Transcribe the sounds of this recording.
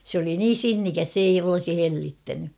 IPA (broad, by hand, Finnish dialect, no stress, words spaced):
sĕ oli niːn̞ sinːikæs s eij olŏsi helːitːæny